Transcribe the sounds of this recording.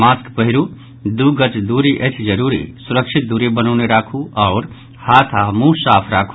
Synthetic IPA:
maːskpəɦiɾu | d̪uɡət͡ʃd̪uɾiʔət͡ʃʰd͡ʒəɾuɾḭsuɾəkʃʰit̪̚d̪uɾebənɔʊneɾakʰuʔɔːɾ | haːt̪ʰamũsaːpʰɾaːkʰ

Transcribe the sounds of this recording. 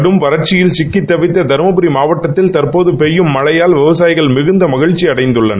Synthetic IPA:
ɽɯmʋɐɾɐɾt͡ʃɪjɪlt͡ʃɪkːɪt̪ːɐʋɪt̪ːɐd̪ɐɾmɐbɯɾimaːʋɐʈːɐt̪ːɪlt̪ɐrpoːðɯpɛjːɯmːɐɭɐjaːlʋɪʋɐsaːjɪɣɐɭmɪɣɯnd̪ɐmɐɣɪɻt͡ʃːiɐɽɐɪnd̪ɯɭːɐn

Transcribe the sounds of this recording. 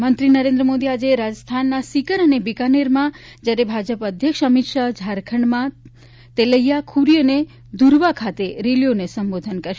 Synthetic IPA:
mənt̪ɾinəɾẽnd̪ɾəmod̪iad͡ʒeɾad͡ʒəst̪ʰanːasikəɾənebikaneɾmã | d͡ʒjaɾebʱad͡ʒəpəd̪ʱjəkʃəmit̪ʃad͡ʒʱaɾkʰəɳmã | t̪eləijakʰuɾijəne | d̪uɾʋakʰat̪eɾelijonesəmbod̪ʱənkəɾʃ

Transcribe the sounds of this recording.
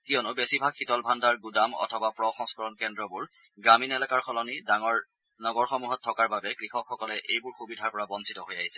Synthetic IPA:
kijɔnʊbesibʱakʰxitɔlbʱandaɹɡudamɔ̰tʰɔbapɹɔxɔŋskɔɹɔnkɛndɹɔbʊɹ | ɡɹaminɛlakaɹxɔlɔnidaŋɔɹ | nɔɡɔɹxɔmuɦɔtʰːɔkaɹbabɛkɹixɔkʰxɔkɔlɛʔejbʊɹxubidʱaɹpɔɹabɔnsʰitɔɦojaɦisɛ̥

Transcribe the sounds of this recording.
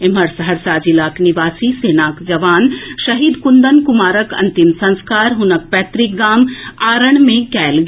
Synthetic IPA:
em̤ɐɾsɐɦəɾsaːd͡ʒilaːkniʋaːsiseːnaːkd͡ʒɐʋaːnʃɐɦiːd̪kund̪ənkumaːɾəkɐ̰̃nt̪imsɐ̃nskaːɾɦʊnək̚pɛːt̪ɾɪk̚ɡaːmaːɾəɽ̃mẽkɛːlɡ

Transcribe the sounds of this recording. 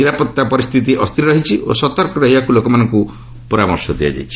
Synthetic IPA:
niɾapɔt̪ːapɔɾist̪ʰit̪̬iʔɔst̪ʰiɾiɾɔɦit͡ʃʰiʔo̰sɔt̪ɔɾkɔɾɔɦibakulokɔmanɔŋku | pɔɾamɔɾsɔd̪ia̰d͡ʒa̰jt͡ʃʰi̥

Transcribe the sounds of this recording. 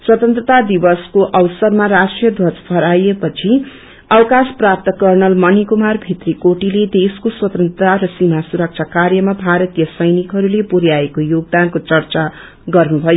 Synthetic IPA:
swʌt̪ʌnt̪rʌt̪ad̪ibʌskoʔʌwʌsʌrmaɾasʈrijʌd̪ʱwʌt͡spʰʌɾajepʌt͡sʰi | ʌwkasprap̚t̪ʌkʌrnʌlmʌnikumarbʱit̪rikoʈiled̪eskoswʌt̪ʌnt̪rt̪aɾʌsimasuɾʌk̚t͡sʰakarjʌmabʱaɾʌt̪ijʌsʌjnikɦʌɾulepuɾjaekojoɡ̚d̪ankot͡sʌrt͡sa | ɡʌrnubʱʌjo

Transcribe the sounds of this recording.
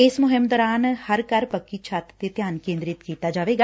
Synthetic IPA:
ɪsmʊɦɪmd̪ɔːɾaːnhəɾkəɾpəkːit͡ʃʰat̪t̪et̪jaːnkẽːnd̪ɾɪt̪kiːt̪aːd͡ʒaːʋeːɡaː

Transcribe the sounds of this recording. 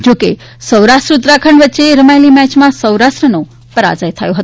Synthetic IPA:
d͡ʒoke | səwɾaʃʈɾut̪ɾakʰəɳʋətːʃeɾəmajlimɛt͡ʃmãsəwɾaʃʈɾəno | pəɾa̰d͡ʒəjt̪ʰəjõɦət̪

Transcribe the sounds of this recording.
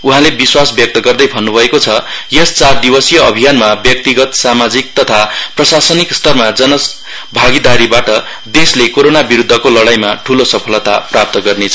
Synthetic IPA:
uɦãlebiswasbjʌk̚t̪ʌɡʌrd̪ʌjbʱʌnːubʱʌekot͡sʰʌjʌst͡sard̪ibʌsijʌʌbʱijanmabjʌk̚t̪iɡʌt̪samad͡zik̚t̪ʌt̪ʰaprʌsasʌnikst̪ʌrmad͡zʌnʌ | bʱaɡid̪aɾibaʈʌ | d̪eslekoɾonabiɾud̪ʱːʌkolʌɽajmaʈʰulosʌpʰʌlʌt̪a̰prap̚t̪ʌɡʌrnet͡sʰʌ

